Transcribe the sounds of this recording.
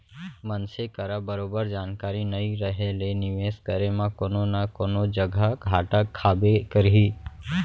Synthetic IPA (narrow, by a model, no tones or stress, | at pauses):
mənsekəɾabəɾoːbəɾd͡ʒaːnkaːɾinəiɾəɦelenɪʋeːskəɾemãkoːnonakoːnod͡ʒəɡʱaɡʱaːʈəaːbekəɾɦiː